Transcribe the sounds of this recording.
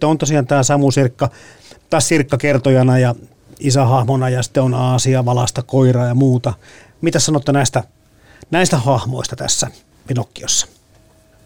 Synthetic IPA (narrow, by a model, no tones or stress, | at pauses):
eont̪osiɑːnt̪æːsɑmusirkːɑ | t̪ɑːssirkːɑkert̪ojɑnɑjɑ | isæhɑhmonɑjɑsi̥t̪ːeonɑːsiɑʋɑlɑ̰st̪ɑkoirɑːjɑmuːt̪ɑ | mit̪æssɑnot̪ːɑnæˑist̪æ | næist̪æhɑhmo̰ist̪ɑt̪æ̰sːæ | pinokːioisːɑ̥